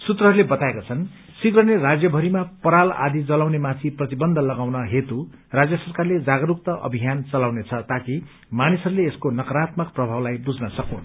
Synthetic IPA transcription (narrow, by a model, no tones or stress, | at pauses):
sut̪ɾʌɦʌɾulebʌt̪aekat͡sʰʌn | sikɾʌnerad͡zjʌbʱʌɾimapʌɾala̰d̪ʱid͡zʌlawnemãt̪ʰiprʌt̪ibʌnd̪ʱʌlʌɡawnʌɦet̪u | rad͡zjʌsʌrkarled͡zaɡʌɾuk̚t̪ʌʔʌ̰bʱijant͡sʌlawnet͡sʰʌt̪aki | manisʌɾuleːskonʌkʌɾat̪mʌkprʌbʱawlajbud͡znʌsʌkũn